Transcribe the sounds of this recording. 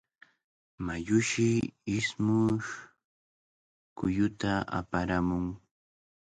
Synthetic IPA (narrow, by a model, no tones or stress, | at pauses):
majʊʃɪɪsmʊʃ | kʊjʊt̪aa̰paɾamʊŋ